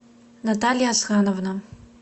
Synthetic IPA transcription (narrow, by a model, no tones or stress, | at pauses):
natalʲijasxanovna